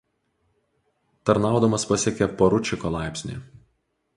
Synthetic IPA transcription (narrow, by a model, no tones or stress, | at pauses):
t̪ɐɾnɑˑʊd̪ɐmɐspɐsʲɛkʲɛpɐɾʊt͡ʃʲɪkɔlˠɑˑɪpʲsʲnʲḭːˑ